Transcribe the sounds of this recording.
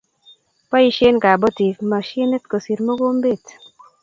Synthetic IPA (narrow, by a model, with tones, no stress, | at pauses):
pa˦i˦ʃe˦nka˨bɔ˦ti˨kma˨ʃe˦ne˦tko˨si˨ɾmo˦ɡo˦mbe˦˨t